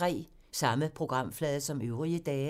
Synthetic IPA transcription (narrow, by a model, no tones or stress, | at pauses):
ʁɛ̰ː | sɑ̈məpʰʁo̝ɡ̥ʁɑ̈m̰flɛːðˠɐsɒ̽møʊʁiəd̥ɛː